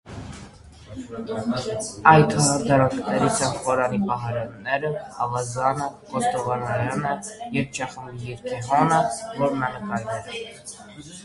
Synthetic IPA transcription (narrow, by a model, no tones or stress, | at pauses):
ɑjt̪ʰɔd̪ɑɾɑŋkʰnɛɾit͡sʰɛnχɔɾɑnipɑɦɑɾɑnːɛɾəhɑvɑzɑnəqɔst̪ɔvɑnɑɾɑnəjɛvt͡ʃʰɑχəmijɛɾkʰiɦɔnəvɔɾnɑnəkɑjɛɾɛ